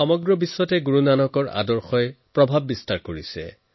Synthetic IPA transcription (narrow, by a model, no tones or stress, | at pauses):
ɔmɔɡɹɔbisːɔtɛɡuɹunanɔkɔɹa̰dɔɹxɔɛpɹɔbʱabːistaɹkoɹisɛ̰